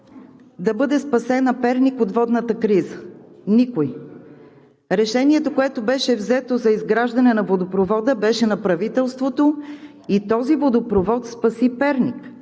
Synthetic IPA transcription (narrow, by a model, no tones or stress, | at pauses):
d̪ɐbɤd̪ɛspɐsɛnɐpɛɾnikot̪vɔd̪nət̪əkɾizənikoj | ɾɛʃɛniɛt̪okoɛt̪obɛʃɛvzɛt̪ozɐizɡɾaʒd̪ɐnɛnɐvod̪opɾovɔd̪əbɛʃɛnɐpɾɐvit̪ɛlˠst̪vot̪o | it̪ɔzivod̪opɾovɔt̪spɐsipɛɾnik